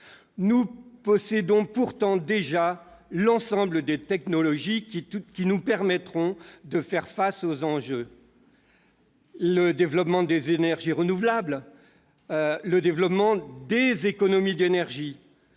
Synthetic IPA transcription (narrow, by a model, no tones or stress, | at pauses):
nupɔsɛd̪ɔ̃puʁt̪ɑ̃d̪eʒalɑ̃sɑ̃bləd̪et̪ɛknɔlɔʒikkʲinupɛʁmɛt̪χɔ̃d̪əfɛʁfasozɑ̃ʒø | ləd̪evlɔpmɑ̃d̪ezenɛʁʒiʁənuvlabl | ləd̪evlɔpmɑ̃d̪ezekɔnɔmid̪enɛʁʒi